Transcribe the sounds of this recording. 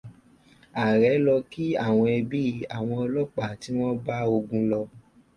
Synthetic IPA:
a˨ɾɛ˨˦lɔ˧ki˦a˦˨w̃ɔ̃˧ɛ˧bi˦˧a˨w̃ɔ̃˧ɔ˧lɔ˦k͡pa˨ti˨˦w̃ɔ̃˦ba˦o˧ɡũ˧lɔ˧

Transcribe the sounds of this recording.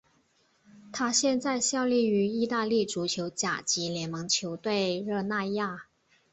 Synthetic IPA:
t̪ʰa˥ɕjɛ˥˧nt͡sa˥˧ɪɕjɑ˥˧ʊli˥˩y˧˥i˥˧t̪a˥˧li˥˩ʈ͡ʂu˧˥t͡ɕʰjo˧˥ʊt͡ɕja̰˨˩t͡ɕi˧˥ljɛ˧˥nmɤ˧˥ŋt͡ɕʰjo˧˥ʊt̪we˥˧ɪɻɤ˥˧na˥˧ja˥˩

